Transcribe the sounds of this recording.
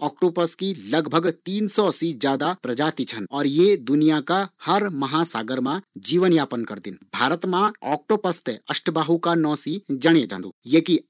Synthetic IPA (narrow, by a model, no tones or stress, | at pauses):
ɔːkʈoːpəskilɐɡbʱəɡt̪iːnsɔsid͡ʒjaːd̪apɾɐd͡ʒaːt̪it͡ʃʰənɔːɾjed̪ʊnijakahɐɾmɐɦãsa̰ːɡəɾmãd͡ʒiːʋənjaːpənkɐɾd̪ɪnbʱaːɾət̪mãɔ̰ːk̚ʈoːpəst̪eɐʃʈʰbaːɦukanɔ̃ːsid͡ʒɐɽed͡ʒã̰ːnd̪ṵːjeːki